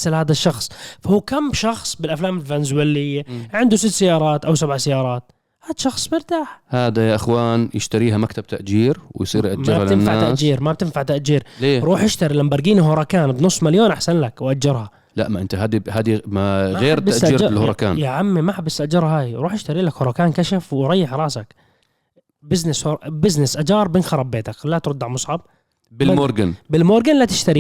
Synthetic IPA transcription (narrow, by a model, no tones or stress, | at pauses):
salhaːd̪aʃːɑxsˤfahuːkamːʃɑxsˤbɪlʔaflaːmɪlfanzwɪlːɪjːaʕɪnd̪usɪt̪ːsajːɑːɾˤɑːt̪ʔawsabʕsajːɑːɾˤɑːt̪̚ | haːd̪aʃɑxsˤmɪɾt̪aːħhaːd̪ajaʔɪxwaːnjɪʃt̪aɾiːɦamakt̪ab̚t̪aʔd͡ʒiːɾwɪ̰jsˤḭːɾʔamd͡ʒɾalɪnːfaʕʕat̪aʔd͡ʒiːɾmab̚t̪ɪnfaʕt̪aʔd͡ʒiːɾleːɾˤuːħjɪʃt̪aɾilambɑɾˤɡiːniɦʊɾˤɑkaːnbnʊsˤːmaljoːnʔaħsanlakwʔad͡ʒːɑɾˤhɑ | la̰ʔmaʔɪnt̪aɦaːd̪ihaːd̪imamɣeːɾbɪaʔt̪iːɾɑlhɾɑka̰ːnjaʕamːimaħabɪsʔad͡ʒɑɾˤɦaːjɾuːħʔɪʃt̪aɾiːlakhʊɾˤɑkaːnkaʃafwɪɾˤɑjːɪħɾˤɑːsak | bɪznɪshʊɾbɪznɪsʔad͡ʒɑːɾˤbɪnxɑɾˤɑbːeːt̪aklat̪ɾʊd̪ːaʕmʊsˤʕɑb̚ | bɪlmoːɾɡanbɪlmoːɾɡanlat̪ɪ̥ʃt̪aɾi